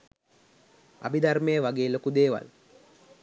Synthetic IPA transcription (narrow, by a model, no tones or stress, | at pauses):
a̰bid̪armejəʋaɡeːlokud̪eːʋa̰l